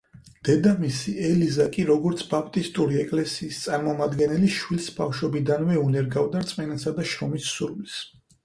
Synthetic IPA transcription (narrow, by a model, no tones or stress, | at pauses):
d̪̥ɛd̪amisiɛlizakʼiɾɔɡɔɾt̪sʰbapʰt̪ʼist̪ʼuɾiɛkʼlɛsiːst̪sʼaɾmɔmad̪ɡɛnɛliʃwilsbafʃɔbid̪anvɛunɛɾɡavd̪aɾt̪sʼmɛnasad̪aʃɾɔmisːuɾvlis